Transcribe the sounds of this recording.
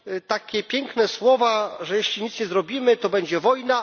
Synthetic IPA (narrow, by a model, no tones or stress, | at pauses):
t̪akʲɛpʲjɛŋknɛswɔvaʐɛjeɕlʲiɲit̪sɲɛzɾɔbʲimɘt̪ɔbɛɲd͡ʑɛvɔjna